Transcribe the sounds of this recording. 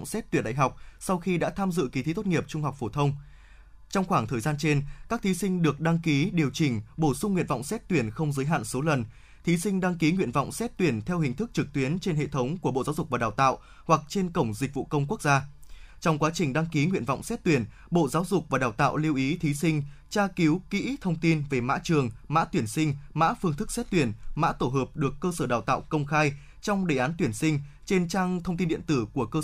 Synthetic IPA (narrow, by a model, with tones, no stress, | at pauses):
ŋ͡msɛ˦˥t̚t̪wi˧˩nɗa̰˧˨jɦa˨˩wk͡p̚sa˧wxi˧ɗa̰ː˧˥t̪ʰaː˧mzɨ̰˧˨ki˨˦t̪i˨˦˥t̪o˦˥t̚ŋi˨˩əp̚t͡ɕʊ˧ŋ͡mɦa˨˩wk͡p̚fo˧˩t̪ʰə˧wŋ͡m | t͡ɕɔ˧wŋ͡mxwaː˧˩ŋt̪ʰəː˨˩jzaː˧nt͡ɕe˧nkaː˦˥k̚t̪ʰi˨˦sï˧ŋ̟ɗɨ˨˩ək̚ɗa˧ŋki˨˦ɗi˨˩əwt͡ɕï˨˩ŋ̟ɓo˧˩sʊ˧ŋ͡mŋwḭ˧˨ənvɔ̰˧˨wŋ͡msɛ˦˥t̚t̪wi˧˩ənxə˧wŋ͡mzəː˨˦jɦa̰ː˧˨nso˨˦lə˨˩n | t̪ʰi˨˦sï˧ŋ̟ɗa˧ŋki˨˦ŋwḭ˧ənvɔ̰˧˨wŋ͡msɛ˦˥t̚t̪wi˧˩ənt̪ʰɛ˧whï˨˩ŋ̟t̪ʰɨ˦˥k̚t͡ɕɨ˨˩k̚t̪wi˨˦ənt͡ɕe˧nɦḛ˧˨t̪ʰə˨˦wŋ͡mku˧˩əɓo̰˧˨zaː˨˦wzʊ˨˩k̚vaː˨˩ɗaː˨˩wt̪a̰ː˧˨w | hwa˨˩k̚t͡ɕe˧nkə˧˩wŋ͡mzï˨˩k̟̚vṵ˧˨kə˧wŋ͡mku˦˥ək̚z̥aː˧t͡ɕɔ˧wŋ͡mkwaː˨˦t͡ɕï˨˩ŋ̟ɗa˧ŋki˨˦ŋwḭ˧˨ənvɔ̰˧˨wŋ͡msɛ˦˥t̚t̪wi˧˩ən | ɓo̰˧˨zaː˨˦wzʊ˨˩k͡p̚vaː˨˩ɗaː˨˩wt̪a̰ː˧˨wli˧əwʔi˨˦t̪ʰi˨˦sï˧ŋ̟t͡ɕaː˧ki˨˦wkḭ˧˥t̪ʰə˧wŋ͡mt̪i˧nve˨˩ma̰ː˧˥t͡ɕɨ˨˩əŋma̰ː˧˥t̪wi˧˩ənsï˧ŋ̟ma̰ː˧˥fɨ˧əŋt̪ʰɨ˦˥k̚sɛ˦˥t̚t̪wi˧˩ənma̰ː˧˥t̪o˧˩ɦəː˨˩p̚ɗɨ˨˩əkːəː˧səː˧˩ɗaː˨˩wt̪a̰ː˧˨wkə˧wŋ͡mxaː˧j | t͡ɕɔ˧wŋ͡mɗe˧˨˩ʔaː˨˦nt̪wi˧˩ənsï˧ŋ̟t͡ɕe˧nt͡ɕaː˧ŋt̪ʰə˧wŋ͡mt̪i˧nɗḭ˧˨ənt̪ɨ˧˩ku˧˩əkəː˧